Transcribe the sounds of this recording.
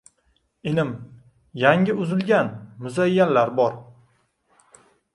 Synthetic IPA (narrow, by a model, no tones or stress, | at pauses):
ɪnɪm | jaŋʲɪʊzɪlɡʲanmʊzajːanlaɾbɒɾ